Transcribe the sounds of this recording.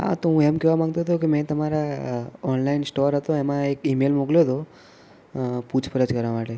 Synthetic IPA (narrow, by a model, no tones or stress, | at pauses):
ɦa̰t̪oɦũemkɛʋamãŋɡ̚t̪oɦt̪ʰokemɛ̃t̪əmaɾaɔnlainsʈoɾɦət̪oemãekimelmukljot̪ʰo | put͡ʃʰpəɾəd͡ʒkəɾʋamaʈe